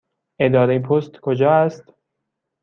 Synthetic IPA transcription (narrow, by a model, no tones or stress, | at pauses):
ʔe̞d̪ɒːɾejpʰost̪kʰod͡ʒɒːæst̪